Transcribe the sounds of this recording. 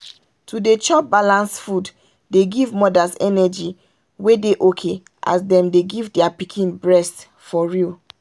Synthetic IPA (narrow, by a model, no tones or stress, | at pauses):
tʰudet͡ʃɔp̚balãnsfud | deɡivmɔdasɛnɛd͡ʒi | wedeʔokʰe | ʔa̰sdɛ̃mdeɡivdɛapikʰĩnbɹɛst | fɔɹil